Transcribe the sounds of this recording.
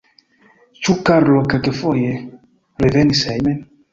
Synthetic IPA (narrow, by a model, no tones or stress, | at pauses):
t͡ʃukaɾlɔkakefoje | ɾeðɛnisajmɛn